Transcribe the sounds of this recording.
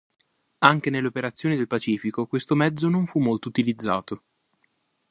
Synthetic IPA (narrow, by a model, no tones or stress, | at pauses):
aŋk̟enelːeopeɾat̪sːjoːnid̪elpat͡ʃiːfikokwest̪omɛd̪zonoɱfumːolt̪out̪ilid̪zːa̰ːt̪o